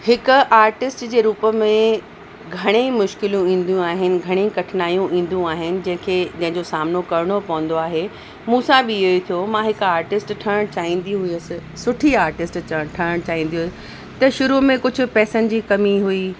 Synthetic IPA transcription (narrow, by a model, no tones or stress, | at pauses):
hɪkʊ̆ʔaːɾʈɪsʈd͡ʑeːɾuːpəmẽ | ɡʱɐɽ̃emʊʃkɪljũĩːn̆d̪ijũaːɦɪnɪ̆ɡʱɐɽ̃ẽkɐʈʰɪnaːjũʔĩːn̆d̪ũaːɦɪnɪ̆d͡ʑɐ̃ɦɪ̃kʰed͡ʑɐ̃ɦɪ̃ɲd͡ʑosaːmnokɐɾɪɽ̃opɐʊ̃n̆d̪oaːɦe | mũːsabɪoit̪ʰijomãɦɪkaːɾʈɪsʈʈʰɐəɽ̃t͡ɕaːɦĩːnd̪iɦʊiəsɪ̆sʊʈʰiaːɾʈɪsʈt͡ɕɐʈʰɐəɽ̃t͡ɕaːɦĩːnd̪iɦuʊsɪ | t̪ɐʃʊɾumẽkʊd͡ʑʱʊ̆pɛːsənɪ̆d͡ʑiːkɐmiɦʊi